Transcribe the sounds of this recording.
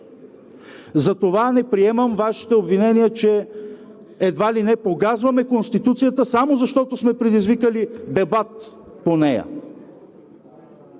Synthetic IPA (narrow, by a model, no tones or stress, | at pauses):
zɐt̪ovanɛpɾiɛməmvaʃi̥t̪ɛobvinɛniət͡ʃɛ | ɛd̪valinɛpokazvɐmɛkonst̪it̪ut̪sijət̪əsamozɐʃt̪ɔt̪osmɛpɾɛd̪izvikəlid̪ɛbat̪ | ponɛjə̰